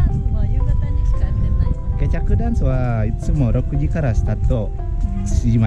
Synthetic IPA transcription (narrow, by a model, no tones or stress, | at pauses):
t̪ | ket͡ɕakɯ̟d̪ãñsɨβait͡sɨmo̞ɾo̞kɯ̟d͡ʑikaɾasɨ̥t̪at̪ːo | ɕiima